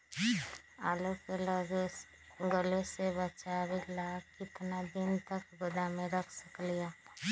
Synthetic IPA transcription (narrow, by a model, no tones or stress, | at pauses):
aːlokeləɡ | ɡəlesebət͡ʃaɾilaːkɪt̪nad̪ɪnt̪əkɡʊd̪amẽɾəkʰsəklijaː